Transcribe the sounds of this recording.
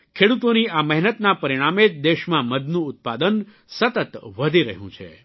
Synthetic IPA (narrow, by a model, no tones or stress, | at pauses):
kʰeɽut̪oniamɛɦnət̪napəɾiɽ̃amed͡ʒd̪eʃmãməd̪nũʊt̪̚pad̪ən | sət̪ət̪ʋəd̪ʱiɾəɦjṵ̃t͡ʃʰḛ